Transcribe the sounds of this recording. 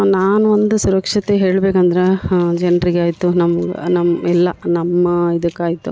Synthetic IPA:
naːnuʋond̪usuɾɐkʂɐt̪eɦe̞ːɭbeːkɐnd̪ɐɾed͡ʒɛnɾiɡeaːjit̪ːunɐmːɐɡɐ̰nɐmɛlːɐnɐmːɐid̪ɐkːaːjit̪ːu

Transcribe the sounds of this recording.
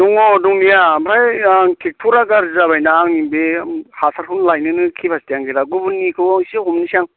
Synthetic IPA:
duŋɔduŋnijabɾajŋkʰek̚tʰuɾaɡaɾzaβajnaːŋnimbehasʰaɾhʰunlajnɯnɯkʰipʰastijaŋɡeɾaɡubunːikʰɯsiɦumnisaŋ

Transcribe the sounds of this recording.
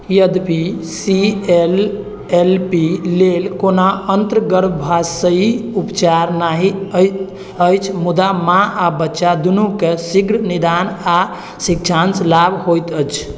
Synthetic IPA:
jəd̪pisiel | elpilelkonaənt̪ɾəɡəɾbbʱasəiupt͡ʃaɾnaɦiə | əjt͡ʃʰmud̪amãʔabətːʃad̪unukesiɡɾnid̪ana | sik̚t͡ʃʰanslabʱhojt̪ət͡ʃʰ

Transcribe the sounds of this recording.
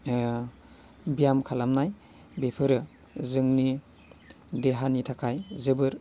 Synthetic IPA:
bijamkʰalamnaj | bepʰɯɾɯ | zɯŋni | deɦanitʰakʰajzɯbɯɾ

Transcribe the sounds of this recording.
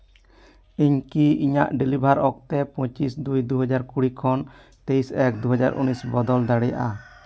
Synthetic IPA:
iɲkiiɲa̰ʔɖilibʱaɾɔk̚t̪ɛpɔ̃t͡ʃisd̪ujd̪uɦɔd͡ʒaɾkuɽikʰɔn | t̪ejsɛk̚d̪uɦɔd͡ʒaɾʔṵnisbɔd̪ɔld̪aɽɛja̰ʔa

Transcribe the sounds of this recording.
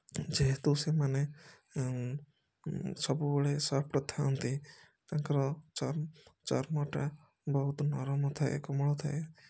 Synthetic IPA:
d͡ʒeɦet̪usemane | sɔbubeɭesapʈɔt̪ʰaɔnt̪i | t̪aŋkɔɾɔt͡ʃɔɾt͡ʃɔɾmɔʈa | bɔɦut̪nɔɾɔmɔt̪ʰaḛkɔmɔɭɔt̪ʰae

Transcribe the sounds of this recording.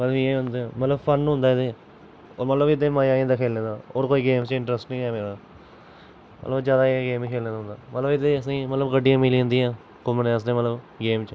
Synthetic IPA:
mət̪ləbeːʊ̃nd̪emət̪ləbpʰənːɦʊ̃nd̪aːɪd̪eː | oːɾmət̪ləbɪd̪eːmaːjãːĩːnd̪aːkʰeːlẽːd̪aːoːɾkoːiːɡeːmt͡ʃɪɳʈɾəsʈnĩːɛːmeːɽaː | mə̰t̪ləbd͡ʒjaːd̪aːeɡeːmːkʰeːlẽːd̪aɦʊ̃nd̪aːmət̪ləbɪd̪eəsãmət̪ləbɡəɖːijãːmɪlĩnd̪ijãː | kʊməneːs̬d̪eːmət̪ləb | ɡeːmt͡ʃə

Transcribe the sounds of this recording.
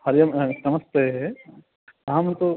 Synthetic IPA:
hɐɾjɐmnɐmɐst̪e | amt̪u

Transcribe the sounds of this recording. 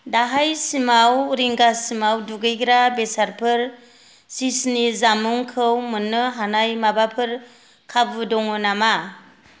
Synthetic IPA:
daɦajsimawɾiŋɡasimawduɡɯjɡɾabesaɾpʰɯɾ | sisnizamuŋkʰɯwmɯnːɯɦanajmabapʰɯɾ | kʰabɯdɔŋɯnama

